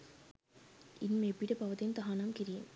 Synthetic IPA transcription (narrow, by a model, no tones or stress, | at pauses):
inmebiʈɐpɐʋɐt̪int̪ɐɦanamkiɾijem